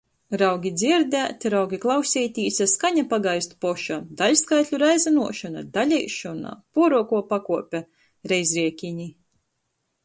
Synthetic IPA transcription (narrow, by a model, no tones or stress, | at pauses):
ɾawɡʲid̪zʲiɾd̪æːt̪ʲɾawɡʲiklˠawsʲiːt̪ʲiːsʲaskaɲapaɡajst̪u̥pɔʃad̪alʲskajt̪ʲlʲuɾajzanuɔʃɔna̰d̪alʲɛjʃɔna̰puɔɾuɔkuɔpakuɔpʲɛ | ɾɛjzɾiɛkʲiɲi